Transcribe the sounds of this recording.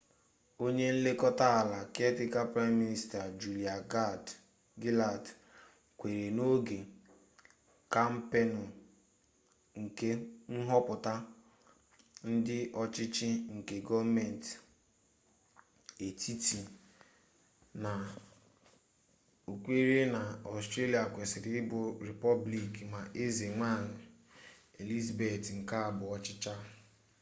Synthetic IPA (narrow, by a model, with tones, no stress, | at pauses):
o˦ɲe˦n̩˦le˦kɔ˦ta˦a˨la˨ke˦tɪ˦ka˦pɾa˦ɪ˦mːi˦ni˦sta˨d͡ʒu˨li˨a˨ɡa˦˨d | ɡi˦la˨d | kʷe˨ɾe˨no˦ɡe˨ | ka˦m̩˦pe˦nʊ˨ | ŋ̩˨ke˦n̩˦ɦɔ˦pʊ˨ta˦ | n̩˦dɪ˦ʔɔ˦t͡ʃɪ˦t͡ʃɪ˦ŋ̩˨ke˨ɡɔ˦vme˨n˨t | e˨tʰi˦tʰi˨ | na˨ | u˨kʷe˦ɾe˦na˨ɔ˨stɾe˦li˨a˨kʷe˨sɪ˨ɾɪ˨ɪ˦bʊ˨ɾe˨pɔ˦bli˨kma˨ʔe˦ze˨ŋʷa˦˨ɲɪ˨ | e˨li˦zbe˨tŋ̩˨ka˦a˨bʊ˨ɔ˦t͡ʃɪ˦t͡ʃa˦